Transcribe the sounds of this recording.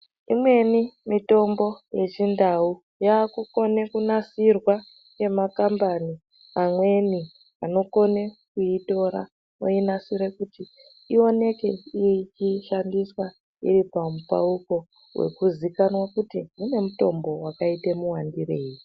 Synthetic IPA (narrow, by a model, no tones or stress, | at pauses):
imwe̞nimito̞mbo̞je̞t͡ʃindau | jaːkuko̞ne̞kunasirwa | ke̞makambani | amwe̞ni | ano̞ko̞nekuito̞ɾa̰ | o̰inasiɾe̞kuti | io̞ne̞ke̞ijeit͡ʃiʃandiswa | ḭɾipamupa̰uko̞ | wʔe̞̰kuzikanwakutimune̞muto̞mbo̞wakaitemuwandireːji